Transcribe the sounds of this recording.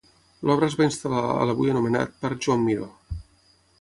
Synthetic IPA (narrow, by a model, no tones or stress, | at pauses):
lʔɔβɾəzβainst̪alaə̰ləβujənuməna̰t̪̚pəɾʒuamːiðo